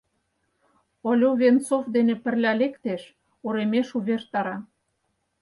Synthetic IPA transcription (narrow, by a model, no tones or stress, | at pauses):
olʲoβʲent͡sofd̪enepə̆rlʲælekt̪eʃ | uɾemeʃuβert̪ɑɾɑ